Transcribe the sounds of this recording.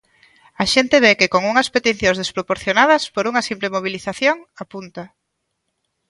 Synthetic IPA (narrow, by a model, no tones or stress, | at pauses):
ɐʃent̪eβekɪkoŋuŋɐspet̪iθjõŋzðespɾopoɾθjonaðɐspoɾuŋɐsimplemoβ̞iliθaθjoŋapunt̪ɐ